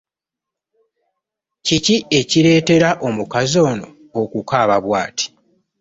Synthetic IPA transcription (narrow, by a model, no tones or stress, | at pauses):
cicie̞ciɾe̞ːte̞ɾaʔo̞mukazo̞ːno̞̰ː | kukaːβaβwaːti̥